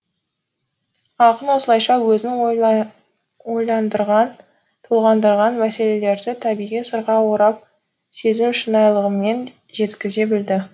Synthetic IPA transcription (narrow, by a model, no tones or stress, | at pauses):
ɑqənwo̞səlˠɑjʃɑwɵzɪnɪŋ | ojlˠɑnd̪əɾʁɑn | t̪ʰulˠʁɑnd̪əɾʁɑnmæse̞le̞le̞ɾd̪ɪt̪ʰæbijʁijsəɾʁɑwoɾɑp̚ | se̞zɪmʃənɑjlˠəʁəme̞n | ʒe̞t̪kʲɪze̞bɪld̪ɪ